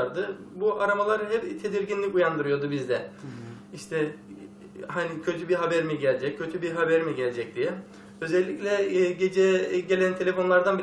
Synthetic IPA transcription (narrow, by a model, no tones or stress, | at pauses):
ɾd̪ɯbuʔaɾamalˠaɾɯɦɛpt̪ʰe̞d̪iɾɟinlʲicujand̪ɯɾɯjo̞d̪ubizd̪ɛ | iʃt̪ʰɛ | ɦanicʰøt̪ʰybiɦabɛɾimiɟælʲd͡ʒɛccʰːø̞t̪ʰybiɦabeɾimiɟɛlʲd͡ʒɛc̚d̪ijɛ | ø̞zɛlʲːicʲlʲɛɟe̞d͡ʒɛɟelʲænt̪ʰe̞lʲe̞fo̞nlˠaɾd̪anbi